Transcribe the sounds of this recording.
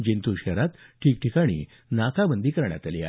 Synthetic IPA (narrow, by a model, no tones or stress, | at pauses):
d͡ʑint̪uɕəɾat̪ʈʰiːk̚ʈʰikaɽ̃ḭ | nakʰabənd̪ʱiːkəɾɳja̰t̪alia̰